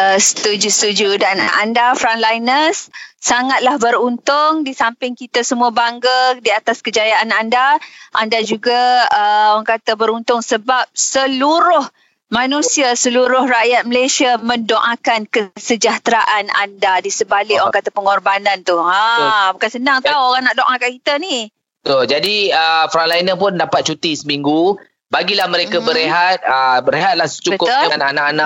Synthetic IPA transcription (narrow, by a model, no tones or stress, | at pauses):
əsə̥t̪ud͡ʒusət̪ud͡ʒudana̰ndafɾanlajnəsːaŋat̪̚lahbəɾunt̪ʊŋdisampɪŋkit̪asəmuabaŋɡadiat̪askəd͡ʒajaanandaʔandad͡ʒuɡaəoaŋkat̪abəɾunt̪ʊŋsəbap̚səluɾʊh | mãnũsiasəluɾʊhraʔjat̪̚məlesiamə̃ndoʔakankəsəd͡ʒaht̪ɾaʔana̰ndadisəbalɪʔoaŋkat̪apəŋɔrbanant̪uabukansənaŋt̪auoɾaŋnaʔdoʔakaʔkit̪ani | ət̪ʊld͡ʒadiəfɾalainəpʊndapat̪̚t͡ʃut̪isəmiŋɡu | baɡilahmə̃ɾekabəɾeɦat̪̚əbəɾeɦat̪̚lahst͡ʃubəkʊt̪ʊnanaʔanaʔ